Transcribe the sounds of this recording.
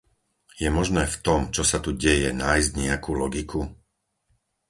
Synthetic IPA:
jɛmɔʒnɛːft̪ɔmt͡ʃɔsat̪uɟɛjɛnaːjzɟɲɛakuːlɔɡikʰu

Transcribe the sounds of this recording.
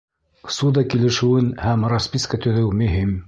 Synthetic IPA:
sud̪ɑkilɘ̆ʃɘ̆wɘnhæmraspʲiskat̪ɵ̆ðɘwmɵ̆ɦim

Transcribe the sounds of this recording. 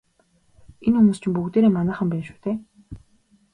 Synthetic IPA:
enxumuːst͡ɕɪ̆mpukt̪eːɾeːmanæːχə̆mpæːnʃu̥ːt̪ʰeː

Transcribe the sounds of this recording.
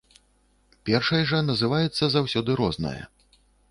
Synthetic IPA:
pʲɛrʂɐjʐɐnɐzɨvajɛt̪sːɐzawsʲɔd̪ɨɾɔznɐ̰jɐ̰

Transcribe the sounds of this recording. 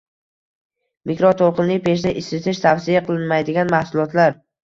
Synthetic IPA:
mikɾɒt̪ʰolˠqɨnlɪpe̞ʃ̬d̪aʔɪsɪt̪ʰɪʃt̪ʰafsijaqʰɨlˠɪnmajd̪ɪɡʲanmahsʊlˠɒt̪laɾ

